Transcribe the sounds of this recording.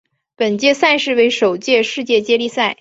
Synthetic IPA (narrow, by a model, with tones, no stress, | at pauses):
pə˨˩nt͡ɕjɛ˥˧sa˥˧ɪʂɻ̩˥˧we˥ɪʂo˨˩ʊt͡ɕjɛ˥˧ʂɻ̩˥˧t͡ɕjɛ˥˩t͡ɕjɛ˥li˥˧sa˥˩ɪ